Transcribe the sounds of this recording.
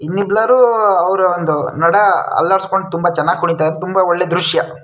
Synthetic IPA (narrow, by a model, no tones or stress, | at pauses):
inːiblaɾuːɐʋɾuond̪unɐɽɐɐ̰lːaːɽskoɳɖut̪umbɐt͡ʃɐɛnːaːɡikuɳit̪ajd̪ɾet̪umbɐɔɭːed̪ɾuʂjɐ